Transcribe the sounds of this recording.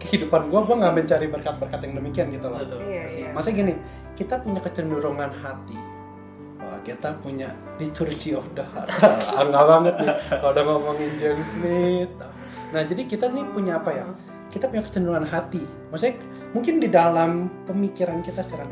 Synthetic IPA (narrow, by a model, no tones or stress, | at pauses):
kəhidupanɡuaɡuaŋaməɲt͡ʃaɾibərkat̪̚bərkat̪jaŋdəmikiankit̪ulasamasaɡinɪ | kit̪apuɲakət͡ʃənduɾuŋanɦat̪ḭ | a̰kit̪apuɲa | dit̪urt͡ʃiɔfdaha̰aaaŋŋɡabaŋət̪̚ɪkadaŋamaŋiɲd͡ʒɛlisnɪt̪ʊ | nahd͡ʒadikit̪anipuɲaːpaja̰ŋ | kit̪apuɲakə̥t͡ʃəndəɾuŋanɦat̪i | masu | muŋkɪndidalampəmikiɾankit̪asə̥t͡ʃaɾa